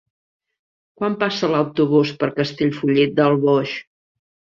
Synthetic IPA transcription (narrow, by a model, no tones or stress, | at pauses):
kwampasələwt̪uβ̞uspəɾkəst̪eʎfuʎit̪̚d̪əlˠβɔʃ